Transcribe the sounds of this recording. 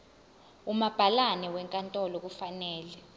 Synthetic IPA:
umab̥ʱalanɛwɛŋkʼantʼɔlɔk̬ufanɛːlɛ

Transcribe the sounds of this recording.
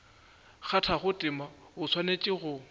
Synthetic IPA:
χatʰaχʊtʼɪma | ʊt͡sʰwanet͡ʃʼɪɣʊ

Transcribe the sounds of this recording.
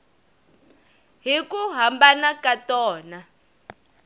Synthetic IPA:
ɦikuɦambanakatɔːna

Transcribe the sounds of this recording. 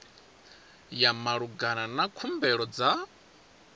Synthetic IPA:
jamaɺuɡananakʰumbɛɺɔd͡za

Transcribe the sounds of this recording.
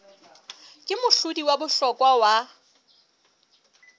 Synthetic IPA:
kʼɪmʊɬʊdiwabʊɬɔkʼwawa

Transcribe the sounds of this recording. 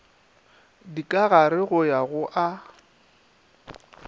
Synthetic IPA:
dikʼaɣaɾɪɣʊjaɣʊʔa

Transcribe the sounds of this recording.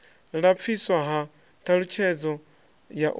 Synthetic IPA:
ɺap̪fʰiswaɦa | t̪ʰaɺut͡ʃʰɛd͡zɔ | jaʔ

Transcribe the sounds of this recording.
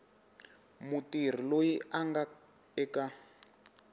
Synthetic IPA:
mutir̤ilojiʔaŋɡa | ɛka

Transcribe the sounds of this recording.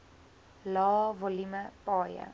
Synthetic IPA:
lɑːvɔliməpɑːjə̰

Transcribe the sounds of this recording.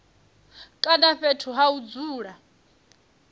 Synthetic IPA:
kʼanaɸetʰuɦaud͡zuːɺa

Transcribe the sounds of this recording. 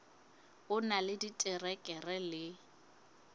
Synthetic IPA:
ʊnalɪditʼɪrɛkʼɛrɛlɪ

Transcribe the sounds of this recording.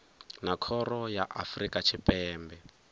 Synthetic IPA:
nakʰɔɾɔjaʔafrikat͡ʃʰipʼɛːmbɛ

